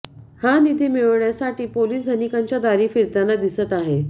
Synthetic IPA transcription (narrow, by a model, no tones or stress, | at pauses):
hanit̪iːmiɭɳjasaʈiːpoliːsd̪ʱənikaɲt͡ɕjad̪aɾiːfiɾt̪anːad̪isət̪aɦe